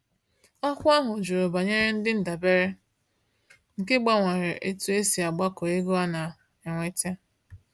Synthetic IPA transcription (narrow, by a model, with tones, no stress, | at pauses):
ɔ˦kʷa˦ɦʊ˨d͡ʒu˨ɾo˨ba˨ɲe˦ɾe˦n̩˦dɪ˦n̩˨da˨be˦ɾe˦ | ŋ̩˨kɪ˦ɡ͡ba˦ŋʷe˨ɾe˨ʔe˦tu˦e˦si˨a˨ɡ͡ba˦ko˨e˦ɡo˦a˦na˨ | e˨ŋʷe˨te˦